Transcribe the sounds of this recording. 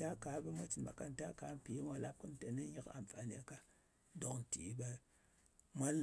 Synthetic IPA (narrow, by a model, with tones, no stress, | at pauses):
ta˦ka˨˦be˦mʷa˦t͡ʃi˨nba̰˨ka˦n˨ta˦ka˨˦m˦pi˨˦mʷa˦la˦p̚ku˦n˦te˨ne˦ɲi˦ka̰˨mfa˨ni˦a˨ka˦ | do˨kn̩˨tḭ˨˦be˦ | mʷa˦l